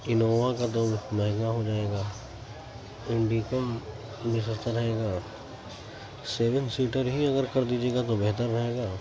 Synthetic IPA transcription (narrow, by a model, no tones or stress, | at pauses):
ɪnoːʋakat̪omɛɦŋɡaɦod͡ʒaːeːɡaː | ɪ̃ɳɖikəm | bɪsəɾt̪aɾɐɦeːɡaː | seːʋənsiːʈəɾɦiɐɡəɾkɐɾd̪iːd͡ʒeːɡat̪obɛɦt̪əɾːɐɦeːɡaː